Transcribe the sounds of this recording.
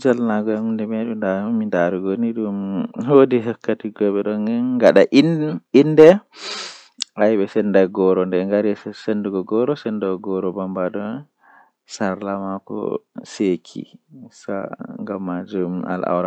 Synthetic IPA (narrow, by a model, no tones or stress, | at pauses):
d͡ʒalnaɡɔmndɛmɛɗundamidaɾuɡoniɗumhodiɦɛkːatiɡɔɓɛɗɔŋnɡaɗaʔinindɛ | ajɓɛsɛndajɡɔɾɔndɛŋɡaɾissenduɡɔɡɔɾɔsɛndɔɡɔɾɔbambadɔn | saɾlamakɔ̰sekʰḭsa̰ŋɡamːad͡ʒuma̰lʔa̰wɾa